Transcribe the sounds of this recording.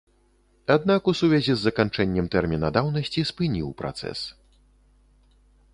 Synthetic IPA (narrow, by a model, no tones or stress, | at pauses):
ad̪̚nakusuvʲɛzʲizːɐkant͡ʂɛnʲːɛmt̪ɛrmʲinɐd̪awnɐsʲt͡sʲispɨnʲiwpɾa̰t̪sɛ̰s